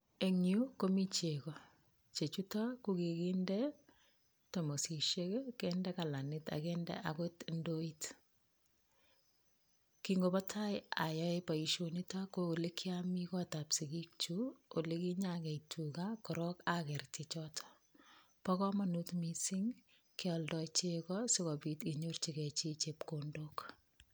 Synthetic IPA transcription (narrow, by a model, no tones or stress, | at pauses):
eŋukomit͡ʃekɔ | t͡ʃet͡ʃutakukikindɛ | tomosiʃekkɛndɛkalanɪta̰kɛndɛ̰ʔakotndoit | kiŋɡobɔtʰajajɔepaiʃonitakolekʰjamikɔtapsikik̚t͡ʃuolikiɲakɛitʰukakɔɾɔkakɛɾtit͡ʃɔtʰɔ̥ | pɔkɔmanutmisɪŋ | kɪɔldɔt͡ʃekɔsɪkɔpitiɲort͡ʃikɛt͡ʃit͡ʃep̚kondok